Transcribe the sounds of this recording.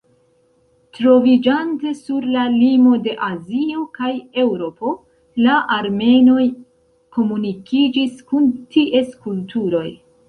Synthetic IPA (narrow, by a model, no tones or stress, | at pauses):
tɾo̞vid͡ʒante̞suɾlalimo̞de̞ʔazio̞kaje̞wɾo̞po̞ | laʔaɾme̞no̞j | ko̞munikid͡ʒiskuntiʔe̞skultuɾo̞j